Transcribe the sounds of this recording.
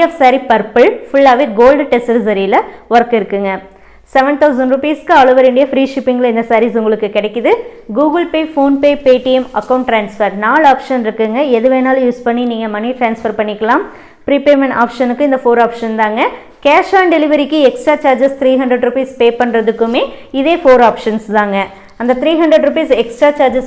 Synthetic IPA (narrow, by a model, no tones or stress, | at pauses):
ɐfsaːɾipɐɾpɐɭfʊɭːaːʋeːɡoːlɖʈɛsɐɾɪs̬ɐɾiɪlɐʋɐɾɐkːɪɾɯkːɯŋɡɐ | sɛʋɛɳt̪ʰɐʊsɐɳɖɾʊpiːskːɯɐːɭɯʋɐɾɪɳɖɐjɐfɾiːʂɪpːɪŋɡɐlɪnd̪ɐsaːɾisʊŋɡɐɭɯkːɯkɪɽɛkːɯðɯɡuːɡɐlpeːfoːnpeːpeːʈijɛmɐkːɐʊɳʈːɾaːnsfɐɾnaːɭaːpʂɐnɪɾɯkːɯŋɡɐɛðɯʋeːnaːljuːspɐɳːiniːŋɡɐmɐnifɾaːnsfɐɾpɐɳːɪkːɐlãːm | pɾipeːɾmɛɳʈa̰ːpʂɐnɯkːɯ̃ɪnd̪ɐfoːɾaːpʂɐnd̪aːŋɡɐ | keːʂʋaːɳɖɛlɪʋɐɾɪkːɯɛksʈɾaːt͡ʃaːɾd͡ʒɐst̪ɪɾiːɦɐnɖɾɛɖɾupiːspeːpɐɳɾɐðɯkːɯmeːɪðeːfoːɾaːpʂɐnsd̪aːŋɡɐ | ɐnd̪ɐt̪ɪɾiːɦɐɳɖɾɛɖɾʊp̬iːsɛksʈɾaːt͡ʃaːɾd͡ʒɐs